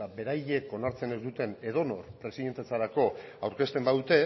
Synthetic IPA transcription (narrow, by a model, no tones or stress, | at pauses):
abe̞ɾaje̞ko̞naɾt͡se̞ne̞zd̪ut̪e̞ne̞ð̞o̞no̞ɾpɾe̞siðe̞nt̪e̞t͡saɾako̞awɾke̞st̪e̞mbaðut̪e̞